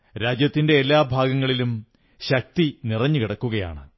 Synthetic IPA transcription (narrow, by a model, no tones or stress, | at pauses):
ɾaːd͡ʑjɐt̪ːinde̞ːlːaːbʱaːɡɐŋːɐɭilum | ɕɐk̚t̪inirɐɲːukiɽɐkːuɣɐja̰ːɳɨ